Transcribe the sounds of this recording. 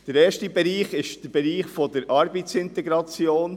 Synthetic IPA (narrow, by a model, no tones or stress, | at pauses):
d̪̥əɾɛːʃtibɛɾiːχɪʃd̥əɾbɛɾiːχfɔdəɾɑɾbət͡sɪnt̪ɛɡɾɑt͡sjoːn